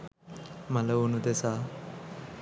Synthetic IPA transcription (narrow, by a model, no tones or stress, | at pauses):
mɐlɐunud̪esa